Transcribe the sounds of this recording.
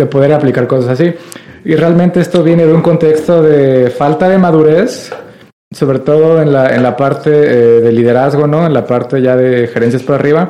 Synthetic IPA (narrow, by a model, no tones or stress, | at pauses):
d̪e̞po̞ðe̞ɾaplikaɾko̞sasasiirealmẽnt̪e̞est̪o̞βje̞ne̞ðeuŋko̞nt̪e̞kst̪o̞ðe̞falt̪aðe̞maðuɾe̞s | so̞βɾe̞t̪o̞ðo̞enlaḛnlapaɾt̪e̞ðe̞liðeɾazɣo̞no̞enlapaɾt̪e̞ʝaðe̞xe̞ɾe̞nsjaspoɾariβa